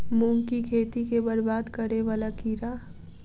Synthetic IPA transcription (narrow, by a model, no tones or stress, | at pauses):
mũŋkikʰeːt̪ikebəɾbaːd̪kəɾeʋaːlakiːɾaː